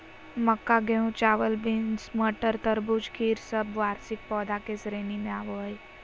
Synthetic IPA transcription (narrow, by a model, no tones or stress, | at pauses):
məkːaɡeũt͡ʃaːʋəlbɪnsməʈəɾt̪əɾbud͡ʒkʰiːɾsəbʋaːɾsɪk̚pɔːd̪akesɾeːnimẽaːʋoɦəj